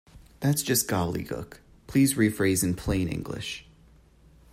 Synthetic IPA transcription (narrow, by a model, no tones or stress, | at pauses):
ðætsd̥ʒ̥ʌsɡ̥ɑblˠḭɡʰʊ̰k | pʰl̥izɹifɹeɪzɨ̃npʰl̥ẽɪ̃nɪ̰̃ŋɡlɪ̰ʃ